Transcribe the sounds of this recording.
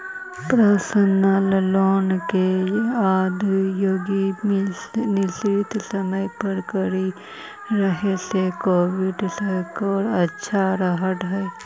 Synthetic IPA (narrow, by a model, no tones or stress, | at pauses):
pɾəsənəlloːnkeaːd̪ʱjoːɡimnɪsɾɪt̪səməjpəɾkəɾi | ɾəɦesekoːʋɪɖsɛkɔːɾɐtːʃʰaɾəɦəʈɦɛː